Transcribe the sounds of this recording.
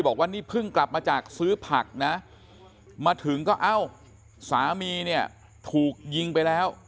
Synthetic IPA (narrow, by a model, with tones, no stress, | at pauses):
bɔː˨˩k̚wa˥˩niː˥˩pʰɯ˥˩ŋkla˨˩p̚maː˧t͡ɕaː˨˩k̚sɯː˦˥pʰa˨˩k̚na˦˥ | maː˧t̪ʰɯ˩˦ŋkɔː˥˩ʔa˥˩w | saː˩˦miː˧ni˥˩ɐ | t̪ʰuː˨˩k̚ji˧ŋpa˧jlɛː˦˥w